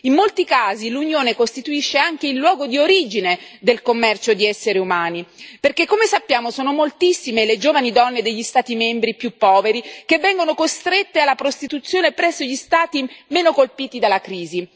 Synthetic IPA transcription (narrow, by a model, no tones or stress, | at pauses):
imːolt̪ikaːzilunjoːnekost̪it̪uiʃːeaŋk̟eilːwɔːɡod̪ioɾiːd͡ʒined̪elkomːɛrt͡ʃod̪iɛsːeɾeumaːniperkekːomesapːjaːmosoːnomolt̪isːimeled͡ʒoːvanid̪ɔnːed̪eʎːist̪aːt̪imembɾipjupːɔːveɾikevːɛŋɡonokost̪ɾet̪ːealːapɾost̪it̪ut̪sːjoːnepɾɛsːoʎist̪aːt̪imeːnokolpiːt̪id̪alːakɾiːzi